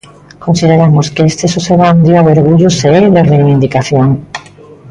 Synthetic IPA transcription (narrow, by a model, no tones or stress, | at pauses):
kõnsiðeɾamoskeest̪esoseβand̪juaweɾɣuʎʊseeðerejβind̪ikaθjoŋ